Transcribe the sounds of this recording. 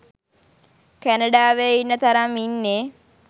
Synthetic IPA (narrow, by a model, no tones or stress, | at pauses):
kænaɖaːʋeinːət̪aɾaminːe